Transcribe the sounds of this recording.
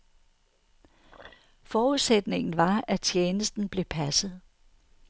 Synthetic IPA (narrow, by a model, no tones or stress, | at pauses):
fɒːuð̞̩ˠsed̥ne̝ŋn̩ʋɑ̈æt͡ɕʰjeːnəsd̥n̩b̥le̝pʰæsð̞̩ˠ